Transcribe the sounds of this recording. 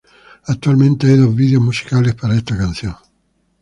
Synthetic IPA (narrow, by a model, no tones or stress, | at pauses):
at̪ːualment̪eeðoviðeomusi̥kaːlespeɾaest̪akansjɔn